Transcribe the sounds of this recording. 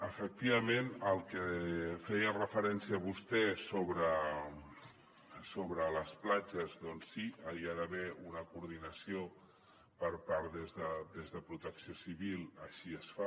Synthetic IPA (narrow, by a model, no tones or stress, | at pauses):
əfək̚t̪iβəmenəlˠkəfɛjərəfəɾɛnsiəːβust̪ɛsoβɾə | soβɾələsplad͡ʒəzd̪ɔnsːiəiaðəβɛunəkuɾðinəsio | pəɾpaɾðezðəd̪ezðəpɾut̪əksiosiβilˠəʃiəsfa